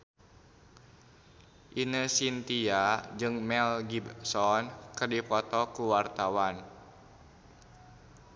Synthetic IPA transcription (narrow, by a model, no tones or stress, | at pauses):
ʔinəsint̪iad͡ʒɨŋmɛlɡibsɔnkərdipɔt̪ɔkuwart̪awan